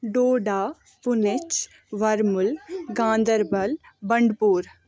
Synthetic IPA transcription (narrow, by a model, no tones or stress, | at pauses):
ɖoːɖaː | pʊnɪt͡ʃ | ʋɐɾmʊlɡãːnd̪əɾbɐlbɐɳɖpuːɾ